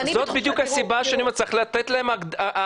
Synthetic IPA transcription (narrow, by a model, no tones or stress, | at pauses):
zot̪bid̪jukhasibaʃeanimat͡siχlat̪et̪laemaɡda